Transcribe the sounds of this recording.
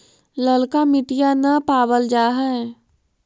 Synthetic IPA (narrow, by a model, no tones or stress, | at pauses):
ləlkamɪʈijanɐpaːbəld͡ʒaːɦaɛ